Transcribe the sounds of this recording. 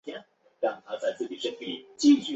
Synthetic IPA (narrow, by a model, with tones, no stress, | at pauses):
ja˥n | ɻa˥˩ŋt̪ʰa˥t͡sa˥˧ɪt͡sɹ̩˥˩t͡ɕi˨˩ʂə˥ŋpḭ˨˩t͡ɕi˥˧ɕy˥˩